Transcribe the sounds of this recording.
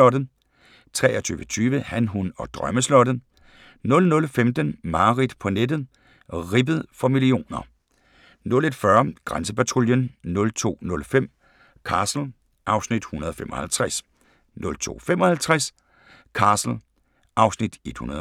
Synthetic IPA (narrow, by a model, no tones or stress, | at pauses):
ɒɾ̥ | t͡sʰʁɛːɐt͡sʰy̰ːʋət͡sʰyːʋəhænɦunɒ̽d̥ʁɶməslɒ̽d̥ə | nɔ̽lnɔ̽lfemd̥ənmɑ̈ːʁid̥pʰɒ̽ned̥ð̩ˠ | ʁibəð̞̩ˠfɒ̽milio̝̰ːnɐ | nɔ̽le̝d̥fɶɐɡ̥ʁansəpæt͡sʰʁoljənnɔ̽lt͡sʰo̝̰ːnɔ̽lfem̰ | kʰɑ̈ːsl̩ | ʔɑ̈ʊsnid̥hunɐð̞ˠɒfemʔɒ̽hælt͡sʰʁas | nɔ̽lt͡sʰo̝̰ːfemɒ̽hælt͡sʰʁas | kʰɑ̈ːsl̩ | ʔɑ̈ʊsnid̥e̝d̥hunɐðˠ